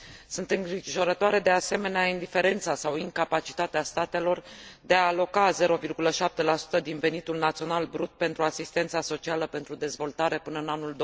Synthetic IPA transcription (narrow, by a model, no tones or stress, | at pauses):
sunt̪ɨŋɡɾiʒo̞ɾət̪oaɾe̞d̪e̞ase̞me̞neaind̪ife̞ɾe̞nt̪sasawiŋkapat͡ʃi̥t̪at̪east̪at̪e̞lo̞rd̪e̞aːlo̞kaze̞ɾo̞virɡuləʃap̚t̪e̞lasu̥t̪əd̪inve̞nit̪ulnat̪sio̞nalbɾut̪̚pe̞nt̪ɾuasist̪e̞nt̪saso̞t͡ʃialəpe̞nt̪ɾud̪e̞zvo̞lt̪aɾe̞pɨnəɨnanuld̪o